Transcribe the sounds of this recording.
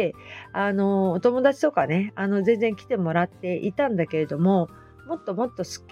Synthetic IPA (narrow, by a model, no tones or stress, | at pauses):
ano̞ːt̪o̞mo̞d̪at͡ɕi̥t̪o̞kane̞ano̞zẽ̞nd͡zẽ̞ŋkʲi̥t̪e̞mo̞ɾat̪ːe̞ʔit̪ãnd̪ake̞ɾe̞d̪o̞mo̞ | mo̞t̪ːo̞mo̞t̪ːo̞sɨ̥kʲ